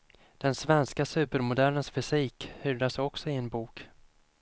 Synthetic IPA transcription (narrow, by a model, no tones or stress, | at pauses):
d̪̥ɛnsvɛnskasʉ̟ːpəɾmʊd̪æɭənsfʏsiːkhyːɖ̪asɔksɔɪɛnbuːk